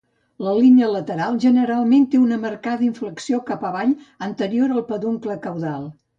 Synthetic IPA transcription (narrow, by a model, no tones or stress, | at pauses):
ləlinələt̪əɾalˠʒənəɾalˠment̪eunəməɾkaðəiɱfləksiokapəβaʎ | ənt̪əɾioɾəlˠpəðoŋkləkəwðalˠ